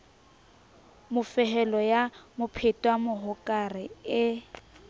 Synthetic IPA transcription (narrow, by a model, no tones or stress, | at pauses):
mʊfɛɦɛlɔjamʊpʰetʼwamʊɦʊkʼarɪɪ